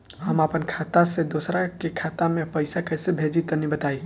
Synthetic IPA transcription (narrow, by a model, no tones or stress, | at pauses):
ɦəməpənkʰat̪asẽd̪osɾakekʰat̪amepəjsakəjsebʱed͡ʒit̪ənibət̪aj